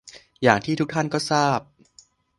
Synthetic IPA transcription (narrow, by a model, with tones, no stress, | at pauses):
jaː˨˩ŋt̪ʰiː˥˩t̪ʰu˥k̚t̪ʰa˥˩nkɔː˥˩saː˥˩p̚